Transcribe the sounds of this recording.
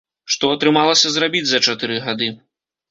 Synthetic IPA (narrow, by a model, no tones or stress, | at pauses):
ʂt̪ɔɐt̪ɾɨmalˠɐsʲɐzɾabʲid͡zʲzɐt͡ʂat̪ɨɾɨɣad̪ɨ